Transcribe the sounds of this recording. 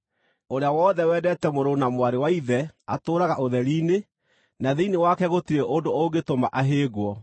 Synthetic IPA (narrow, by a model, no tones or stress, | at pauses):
oɾeawɔðɛwɛːdɛtɛmoɾonamwaɾewaiðɛatoːɾaɣaʔoðɛɾiːne | naðeinewakɛɣotiɾeʔondooɡetomaʔaɦeːɣwɔ